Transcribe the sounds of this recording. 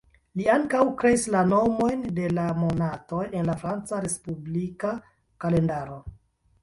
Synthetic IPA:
liaŋkawkɾe̞islano̞mo̞jnde̞lamo̞nato̞je̞nlafɾant͡saɾe̞spublika | kale̞ndaɾo̞

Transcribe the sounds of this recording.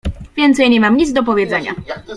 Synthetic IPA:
vʲjɛnt̪sɛjɲɛmamɲit̪zd̪ɔp̬ɔvʲjɛd̪zɛɲa̰

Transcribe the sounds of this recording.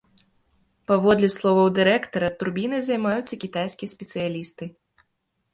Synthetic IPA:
pavɔd̪lʲɛslˠɔvɐwd̪ɨɾɛkt̪ɐɾɐt̪urbʲinɨzɐjmajut̪sːɐkʲit̪ajsʲkʲijɐsʲpʲɛt̪sɨjalʲist̪ɨ

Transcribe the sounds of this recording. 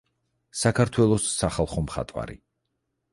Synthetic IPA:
sakʰaɾt̪ʰwɛlˠɔsːaχalˠχɔmχa̰t̪ʼwa̰ɾḭ

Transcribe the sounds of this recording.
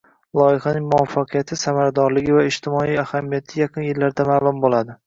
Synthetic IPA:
lˠɒjɪχanɪŋmʊɒfːɑqʰɨjat̪ʰɪsamaɾad̪ɒɾlɪɡʲɪvaɪʃt̪ʰɪmɒijahamijat̪ʰɪjɑqʰɨnjɪlːaɾd̪amaːlˠʊmbolˠad̪ɪ

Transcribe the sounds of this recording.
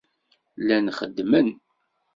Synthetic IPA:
lænχəd̪ːmən

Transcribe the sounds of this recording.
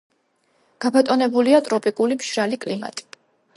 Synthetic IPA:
ɡ̥apʰat̪ʼɔnɛbuliat̪ʼɾɔpʼikʼulimʃɾalikʼlima̰t̪ʼi̥

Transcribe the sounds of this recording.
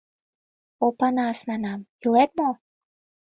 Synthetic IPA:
opɑnɑsmɑnɑmylet̪̚mo

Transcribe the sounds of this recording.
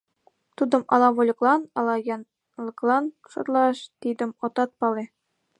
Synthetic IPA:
t̪ud̪ɤ̆mʔɑ̰lˠɑʋolʲɤ̆klˠɑnɑlˠɑjɑn | lˠɤ̆klˠɑn | ʃɤ̰̆rlˠɑʂt̪ʲid̪ɘ̆mŏt̪ɑt̪̚pɑlˠe

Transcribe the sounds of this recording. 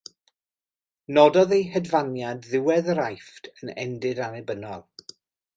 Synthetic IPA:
nɔdɔðejhɛdvanjadðɪwɛðɾajftʰənɛ̰ndɪdanɛbənɔlˠ

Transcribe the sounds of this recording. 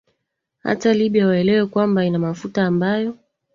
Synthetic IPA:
ha̰taliɓiawaɛlɛwɛkwambainamafutaːmbajɔ

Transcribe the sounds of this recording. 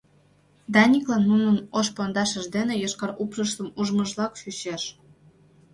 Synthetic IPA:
d̪ɑnʲiklɑnːunənoʃpond̪ɑʃəʒd̪enejoʃkɑɾupʒəʃt̪əmuʒməʒlɑkʃyɕeʃ

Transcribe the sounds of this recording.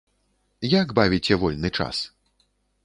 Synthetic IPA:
jaɡbavʲit͡sʲɛvɔlʲnɨt͡ʂa̰s

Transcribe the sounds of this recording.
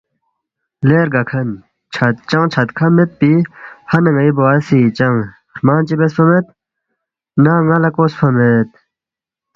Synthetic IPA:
leːɾɡɐkʰɐn | t͡ɕʰɐt̪̚t͡ɕɐ̃ŋt͡ɕʰɐt̪kʰɐmet̪̚pihɐnɐŋɐiboasit͡ɕɐŋ | ɾmaːnt͡ɕibesfɐmet̪̚ | naːŋɐlɐkoːsfʰɐmet̪̚

